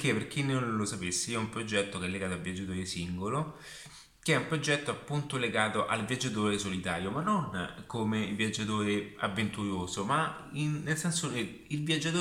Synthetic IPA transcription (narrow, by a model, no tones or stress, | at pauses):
k̟ːepːerk̟inːolosapesːiiɛumpɾod͡ʒɛt̪ːokeɛlːeɡaːt̪oalvjad͡ʒːat̪oːɾesiŋɡolo | keɛumpɾod͡ʒɛt̪ːoapːunt̪oleɡaːt̪oʔalvjad͡ʒːat̪̬oːɾesolit̪aːɾjomanːonkomevjad͡ʒːat̪̬oːɾea̰vːent̪uɾjoːsoma | inːelsɛnso | ilvjad͡ʒːat̪oː